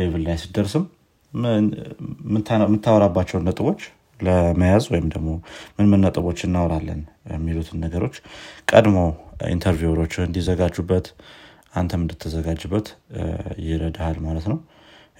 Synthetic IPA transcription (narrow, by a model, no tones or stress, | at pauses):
eβɨlːajsid̪əɾsɨm | ɨmːɨt̪ʰːawɾabːat͡ʃːɛwnːət̪ʼɨβo̞t͡ʃː | ləməjazwɔjɪmd̪əɡmo̞mɨnmɨnːət̪ʼɨβo̞t͡ʃːɨnːawɾalːə̰njɛmːilut̪ʰɨnːəɡəɾo̞t͡ʃːkʼə̰d̪mowḭnt̪ʰəɾvjuɾo̞t͡ʃːɨnd̪izəɡad͡ʒːubːət̪ | ʔant̪ʰəmɨnd̪ɨt̪ʰːəzəɡad͡ʒːɨbːət̪jɪɾəd̪ahalmalət̪nəw